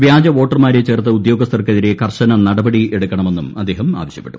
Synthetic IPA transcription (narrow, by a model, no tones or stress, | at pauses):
ʋjaːd͡ʑɐʋo̞ːʈːɐrmaːɾet͡ɕe̞ːrt̪ːɨud̪jo̞ːɡɐst̪ʰɐrkːeðiɾe̞kʰɐrɕɐnɐnɐɽɐbɐɽieɽukʲːɐɳɐme̞nːumɐd̪ːe̞ːɦɐma̰ːʋɐɕjɐ̥pːeʈːum